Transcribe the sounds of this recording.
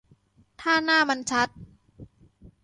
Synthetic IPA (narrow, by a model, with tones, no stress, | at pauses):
t̪ʰaː˥˩naː˥˩ma˧nt͡ɕʰa˦˥t̪̚